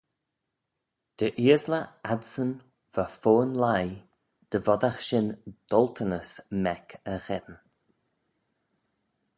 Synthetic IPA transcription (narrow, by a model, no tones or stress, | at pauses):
d̪̥əʔiːəzləad̪sən | v̥əfoːənlaj | d̪̥əvɔd̪axʃɪnd̪̥ɔlt̪ʰənəsmɛkʰəxɛd̪ən